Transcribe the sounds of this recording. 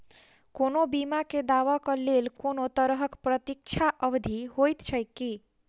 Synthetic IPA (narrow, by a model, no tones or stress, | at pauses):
konobimaked̪aʋakəlelkonot̪əɾɦəkpɾət̪ik̚t͡ʃʰaʔəʋd̪ʱihojt̪t͡ʃʰəjki